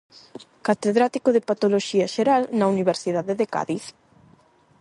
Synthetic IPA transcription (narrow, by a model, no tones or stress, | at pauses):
kat̪eðɾat̪ikoðepat̪oloʃiɐʃeɾalnɐuniβ̞eɾsiðaðeðeka̰ðiθ